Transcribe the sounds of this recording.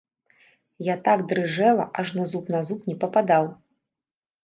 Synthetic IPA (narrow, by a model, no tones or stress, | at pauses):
jat̪aɡd̪ɾɨʐɛlˠɐ̰ʔaʐnazupnazupnʲɛpɐpad̪aw